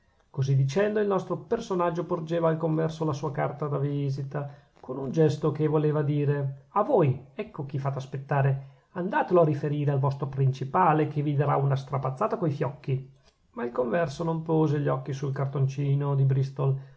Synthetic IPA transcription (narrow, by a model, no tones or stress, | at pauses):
kozid̪it͡ʃɛnd̪oilnɔst̪ɾopersonad͡ʒːopord͡ʒeːvaːlkoɱvɛrsolasuːakart̪ad̪avizit̪a | konund͡ʒɛst̪okevoleːvad̪iːɾeavoːjɛkːok̟ifat̪easpet̪ːaːɾe | and̪aːt̪eloarifeɾiːɾealvɔst̪ɾopɾint͡ʃipaːlekevid̪aɾaunast̪ɾapat̪sːaːt̪akoifjɔkːi | mailkoɱvɛrsonompoːzeʎːɔkːisulkart̪ont͡ʃiːnod̪ibɾist̪ol